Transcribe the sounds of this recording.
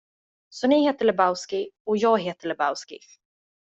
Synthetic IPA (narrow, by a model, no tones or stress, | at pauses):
sɔnɪheːt̪əɭɛbaʊskɪɔjɑːɡɦeːt̪əɭɛba̰ʊskɪ̰